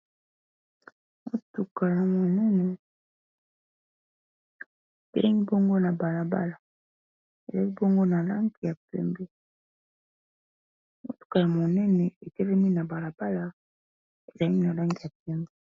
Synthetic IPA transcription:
mo˦tu˨ka˨ja˨mo˨nɛ˦nɛ˨ | tɛ̰˦ŋi˦bo˦ŋɡo˦na˨ba˨la˨ba̰˦la˨ | ḛ˨za˨˦li˦bo˦ŋɡo˦na˨la˦ŋɡi˨ja˨pɛ̰˦mbɛ˦ | mo˦tu̥˨ka˨ja˨mo˨nɛ˦nɛ˨e˨tɛ˦lɛ˦mi˦na˨ba˨la˨ba˦la˨ | e˨za˨li˦na˨la˦ŋɡi˨ja˨p̚ɛ˦mbɛ˦

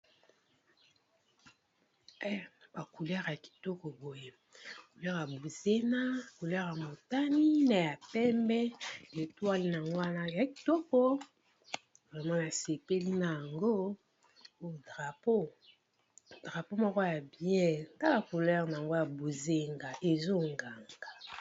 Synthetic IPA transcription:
ɛ˦ba˨ku˨lɛ˦ʁa˨ki̥˨tɔ˦kɔ˨bo˨je˨ | ku˨lɛ˦ʁa˨bu˨ze˦na˦˨ku˨lɛ˦ʁa˨mo˨ta˦ni˦na˨ja˨pɛ˦mbɛ˦le˨twa˦li˦na˨ŋɡo˦wa˦na˦ja˨ki̥˨tɔ˦kɔ˦ | bʁɛ˨ma˦na˨se˨pe˦li˦na˨ja˨ŋɡo˦ | o˦˨dʁa˨po˦˨ | dʁa˨po˦mɔ˦kɔ˦ja˨bjɛ̃˦n˨ta˦ka˨ku˨lɛ˦ʁna˨ŋɡo˦ja˨bu˨ze˦ŋɡa˨ʔe˨zo˦ŋɡa˨ŋɡa˨

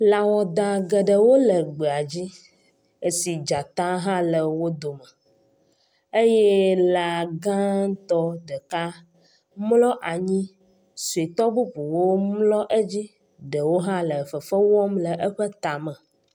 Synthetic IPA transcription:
la˨wɔ˨d̪a˨ɡə˨ɖə˨wo˦lə˨ɡ͡be˨a˨d͡ʑi˦ | e˨si˨d͡ʒa˨t̪ã˦ɦã˦lə˨wo˦d̪o˨mə˨ | e˦jɛ˦la˨ɡã˦ŋ˦t̪ɔ˦ɖə˨ka˦ | mlɔ˦ʔa˨ɲĩ˦ | su˨i˨t̪ɔ˦bu˦ɸu˨wo˦mlɔ˦ʔə˦d͡ʑi˦ | ɖə˨wo˦ɦã˦lə˨fə˨fə˦wɔ˦mlə˨ʔə˦ɸə˦t̪a˨mə̃˨

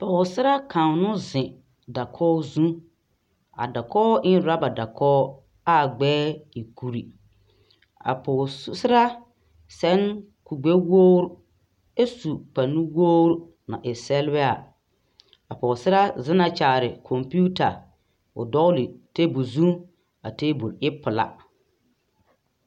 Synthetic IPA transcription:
pɔ˨sɪ˦ɾa˦ka˨nʊ˦zɪ̃˨ | da˨kʰɔː˦zũ˦ | a̰˨da˨kɔː˦ʔɪ˦n˦ɾa˦ba˨da˨kʰɔː˦ | a˦˨ɡ͡bɛː˦i˨ku˨ɾi˨ | a̰˨pɔ˨˦sɪ˦ɾa˦ | sɛ˦ŋku˨ɡ͡be˦woː˦ɾ | e˦su˨k͡pa˨nːi˦woː˦ɾ | na̰˨ʔɪ˨sɛ˦lbɛ˦a˨ | a˨pɔ˨sɪ˦ɾa˦zɪ˦na˨t͡ʃaː˨ɾɪ˨kʰɔ˨mpi˦u˦ta˨ | ʊ̰˨dɔ˦li˨te˦bu˨zũ˦ | a˨te˦bu˨lɪ˦pʊ˨la̰˨

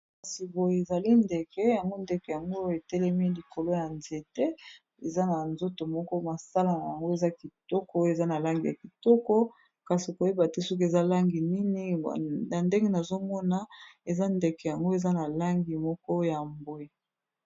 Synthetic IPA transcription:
kka˨si˨bo˨je˨e˨za˨li˦nde˨kɛ˦ja˨ŋɡo˦nde˨kɛ˨ja˨ŋɡo˦e˨tɛ˦lɛ˦mi˦li˨ko˨lo˦ja˨nze˨tɛ˦ | e˨za˦na˨nzo˦to˨mɔ˦kɔ˦ma˨sa˦la˦na˨ja˨ŋɡo˦e˨za˦ki˨tɔ˦kɔ˦e˨za˦na˨la˦ŋɡi˨ja̰˨ki˨tɔ˦kɔ˦ | ka˨si˨ko˨je˦ba˨tɛ˦so˦k̬e˨za˦la˦ŋɡi˨ni˦ni˦˨a˨nde˦ŋɡe˦na˨zo˦mɔ˦na˦e˨za˦nde˨kɛ˨ja˨ŋɡo˦e˨za˦na˨la˦ŋɡi˨mɔ˦kɔ˦ja˨mbo˨e˨

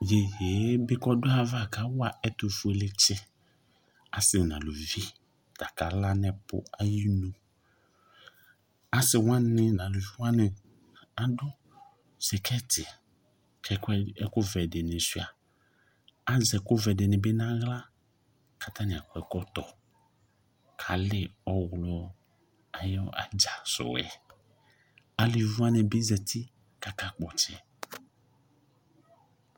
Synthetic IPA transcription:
je˨jeː˨˦bɪ˦kɔ˦dʊ˦a˦va˦˨ka˨˦wa˨ɛ˦to˨fu˨e˨lɪ˦t͡ʃɪ˦ | a˨sɪ˨nã̰˨lo˨vi˦ | ta˨ka˨la˦nɛ˨pʊ̰˦a˦ji˦nũ˨ | a˨sɪ˨wã˦nɪ˦nã˨lo˨vi˦wã˦nɪ̃˨ | a˨dʊ˦ | sɛ˨kʰɛ˦tɪ˨ | kʰɛ˨kɛ˦ɛ˦kʊ˦vɛ˨dɪ˨nɪ̃˨su˦˨a˨ | a˦zɛ˨kʊ˦vɛ˨dɪ˨nɪ̃˨be˦nã˦ɣla˦ | ka˨t̪a˦nɪ̃˨a˨kɔ˨˦ɛ˨kɔ˦t̪ɔ˨ | kʰa˨lɪ˦ɔ˦ɣlɔ˨ | a˨jɔ̰˦a̰˨d͡ʒa˨sʊ̰˨wɛ̰˨ | a˨li˨vu˦a˦nɪ̃˨be˦zɛ˨t̪ʰi˦ | ka˨ka˦k͡pɔ˨t͡ʃɪ˨

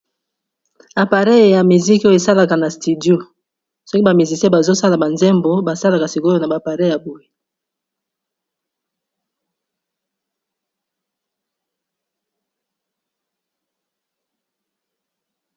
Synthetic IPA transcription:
a˨pa˨ʁe˦˨ja˨mi˨zi˦ko˦je˨sa˦la˨ka˨na˨sti˨djo˦˨ | so˦ki˦ba˨mi˨zi˨se˦ba˨zo˦sa˦la˨ba˨nzɛ˦mbo˦ba˨sa˦la˨ka˨si˨ko˦jo˦na˨ba˨pa˨ʁe˦˨ja˨bo˨je˦˨

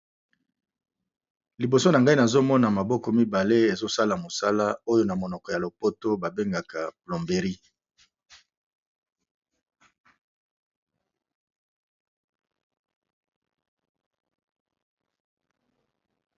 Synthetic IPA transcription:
li˨bo˨so˦na˨ŋɡa˦i˦na˨zo˦mɔ˦na˨ma˨bɔ˦kɔ˨mi˦ba˨le˦e˨zo˦sa˦la˨mo˨sa˦la˦o˦jo˦na˨mo˨nɔ˨kɔ˨ja˨lo˨po˦to˦ba˨be˦ŋɡa˨ka˨plɔ˨mbe˨ʁi˦

